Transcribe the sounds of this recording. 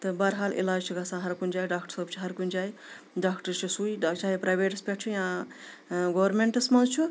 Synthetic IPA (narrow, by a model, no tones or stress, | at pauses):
t̪ɨbaɾɦaːlḭlaːd͡ʒt͡ʃʰiɡɐsãːɦɐɾkund͡ʒaːjɖaːkʈəɾsəbt͡ʃʰiɦɐɾkund͡ʒaːj | ɖaːkʈɐɾt͡ʃʰisujat͡ʃaːɦipɾajbeːʈspʲek̚t͡ʃʰujã | ɡɐwɐɾmeɳʈɐsmɐ̃nzt͡ʃʰu